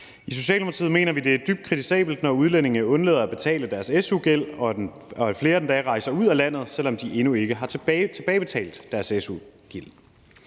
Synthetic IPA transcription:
iso̝ɕɛ̰ːlmpʰʁɑt͡sʰḭð̰ˠme̝̰ːnɐʋid̥e̝æɐd̥yb̥d̥̚kʰʁit͡sʰisɛ̰ːb̥l̩d̥nɒuð̞ˠlene̝ŋnəɔ̽nlḛːð̞ˠɐæb̥e̝t͡sʰɛ̰ːləd̥æɐsesuɡ̥el̰ɒ̽ | ɒ̽fle̝ːɐd̥end̥æʁɑ̈ɪsɐuð̰ˠælæn̰ð̞̩ˠsel̰ɒ̽md̥iʔe̝nue̝ɡ̥əɦɑ̈t͡sʰe̥t͡sʰe̝b̥ɛːɪb̥e̝t͡sʰɛ̰ːld̥æɐsesuɡ̥il̰

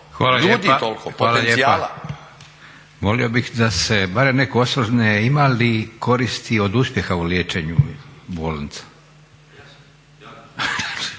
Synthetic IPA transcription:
xʋaːlaʎued̪it̪olkoxaːlaʎeiaal | ʋo̞lio̞bixd̪ase̞baɾemnekoosɾoʒneimalikʰo̞ɾist̪io̞d̪uspje̞xauljeːt͡ʃe̞ɲubolant̪ḁ

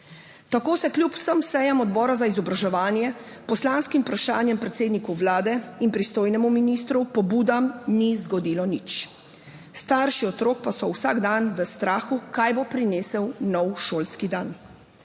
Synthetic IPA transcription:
t̪akoːsɛklʲjupw̥səmsɛjamɔd̪bɔːɾazaizɔbɾaʒɛʋaːnjɛ | pɔslaːnskimpɾaʃaːnjɛmpɾɛt̪seːd̪nikuʋlaːd̪ɛinpɾist̪oːjnɛmuminist̪ɾupɔbuːd̪amnizɡɔd̪iːlɔnit͡ʃ | st̪aːɾʃiɔt̪ɾoːkpasɔwsaːɡd̪anʋəst̪ɾaːxukajbopɾineːsɛwnɔwʃoːlskid̪aːn

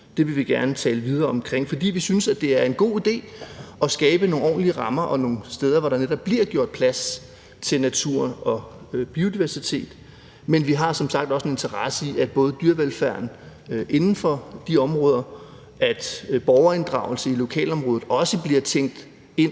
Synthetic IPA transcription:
d̥e̝ʋiʋe̝ɡ̥æɐnət͡sʰɛːləʋiðˠɐːɒ̽mkʰʁeŋ̰fɒ̽d̥ḭːʋisynsæd̥e̝æɐe̝nɡ̥o̝̰ːid̥e̝̰ːɒ̽sɡ̥ɛːb̥əno̝ːŋɒ̰ːnliəʁɑ̈mɐʔɒ̽no̝ːn̩sd̥eːð̞ˠɐʋɒɾ̥ɑ̈neɾɒ̽b̥liɐ̰ɡ̥jo̝ɐ̰d̥̚pʰlæs | t͡sʰe̝lnæt͡sʰuɐ̰ɒ̽ | b̥io̝d̥iʋæɐsit͡sʰe̝̰ːd̥ | menʋiɦɑ̈sɒ̽msɑ̈ɡ̥d̥ɒ̽sene̝nt͡sʰɐʁɑ̈səiʔæd̥̚b̥ɔ̽ːð̩ˠd̥yɐʋelfæɐ̰n | ʔe̝nn̩fɒ̽d̥iɒ̽mʁɔːð̞ˠɐ | æd̥b̥ɒʊɐe̝nd̥ʁɑ̈ʊl̩səilo̝kʰɛ̰ːlɒ̽mʁɔ̽ːð̩ˠɒ̽səb̥liɐt͡sʰeŋ̰d̥ | e̝n̰

